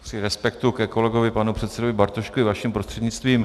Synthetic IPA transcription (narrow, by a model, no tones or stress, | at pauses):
sɪɾɛspɛkt̪ukɛko̞lɛɡo̞vɪpanupr̝̥ɛt̪sɛdovɪbaɾt̪oʃkuɪvaʃɛmpɾost̪r̝̥ɛdɲɪt͡st̪viːm